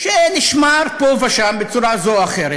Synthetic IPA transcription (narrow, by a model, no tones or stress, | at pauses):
ʃeniʃmaɾpovaʃambet͡suɾazoaχeɾe